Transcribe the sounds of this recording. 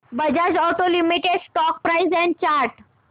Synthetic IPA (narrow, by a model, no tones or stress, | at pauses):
bəd͡ʑad͡ʑɔʈolimiʈeɖsʈɔk̚pɾaizɛ̃nt͡ɕaɾʈ